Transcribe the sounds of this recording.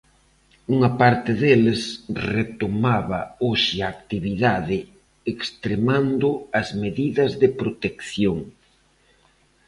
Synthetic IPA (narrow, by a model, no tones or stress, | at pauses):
uŋɐpaɾt̪ɪðelesret̪omaβɐoʃɪaːk̚t̪iβiðaðɪ | ekst̪ɾemand̪ʊɐzmeðiðɐzðɪpɾot̪ekθjoŋ